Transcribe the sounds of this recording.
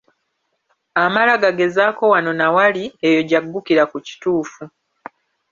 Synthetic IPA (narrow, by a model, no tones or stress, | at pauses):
amalaɡaɡe̞zaːko̞wano̞nawaliejo̞ɟaɡːukiɾakuci̥tuːfu